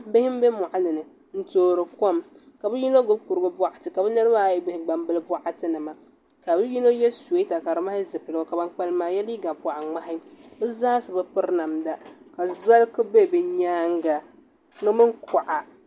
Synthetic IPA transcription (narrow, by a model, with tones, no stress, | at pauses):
bɪ˦hɪ˦m˦be˦mɔ˨ʔa˦lɨ˨nɨ˨ | n̩˦toː˦˨ɾɨ˨ko˦m | ka˨bɛ˦ji˦no˦ɡʊ˦bku˨ɾɨ˨ɡɨ˦ba˦˨ʔa˨tɨ˨ka˨bɛ˦nɨ˦ɾɨ˦ba˦˨jɛ˦ɡ͡bɪ˦hɪ˨ɡ͡ba˨mbɨ˦lɨ˦ba˦ʔa˦tɨ˦nɨ˨ma˨ | ka˨bɨ˦ji˦no˦jɛ˦su˨e˦ta˨ka˨ɾɨ˦ma˦hɪ˦zɨ˨pɨ˨lɨ˦ɡo˦˨ka˨ba˦ŋk͡pa˦lmaː˨˦jɛ˦li˦ɡa˨ba˨ʔa˨ŋ͡ma˦ɦɪ˦bɨ˦zaː˦sɨ˨bɨ˦pɨ˦ɾna˨mda˦ka˨za˦lkɨ˦be˦˨bɨ˨ɲaː˦ŋ˦ɡa˨ | nɨ˦mɨ˦ŋ˦kɔ˨ʔa˨